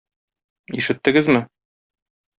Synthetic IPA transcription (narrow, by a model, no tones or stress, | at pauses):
iʃɘ̆t̪ːɘ̆ɡɘzmɘ